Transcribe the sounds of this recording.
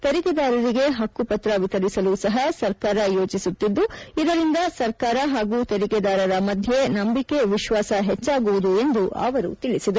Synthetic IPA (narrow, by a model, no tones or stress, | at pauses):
t̪eɾiked̪aːɾɐɾiɡe̞ɦɐkːupɐt̪ɾɐʋit̪ɐɾisɐlusɐɦɐsɐɾkaːɾɐjo̞ːt͡ʃisut̪ːid̪ːuid̪ɐɾind̪ɐsɐɾkaːɾɐɦaːɡuːt̪eɾiked̪aːɾɐɾɐmɐd̪ʱje̞nɐmbike̞ʋiʃʋaːsɐɦet͡ʃːaːɡuʋud̪ue̞nd̪uʔɐ̰ːʋɐɾṵt̪iɭisid̪ɐ